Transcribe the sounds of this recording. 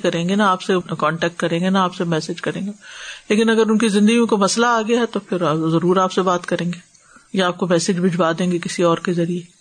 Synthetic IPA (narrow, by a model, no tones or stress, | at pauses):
kɐɾẽːŋɡenaaːpsekɔ̃ːɳʈɛːk̚ʈkɐɾẽːŋɡenaaːpsemɛːsed͡ʒkɐɾẽːŋɡeleːkɪnɐɡəɾʊnkizɪ̃nd̪əɡijõkamɐslaaːɡɪjaɦɛt̪opʰɪɾzɐɾuːɾaːpsebaːt̪kɐɾẽːŋɡeː | jaaːp̚komɛːsed͡ʒbɪd͡ʒbaːd̪ẽːŋɡekɪsiɔːɾkezɐɾie